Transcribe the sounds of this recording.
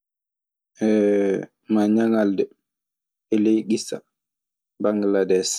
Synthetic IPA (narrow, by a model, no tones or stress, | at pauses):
ʔɛ | maɲaŋaldɛ | ɛlejɡisa̰ | baŋɡladɛs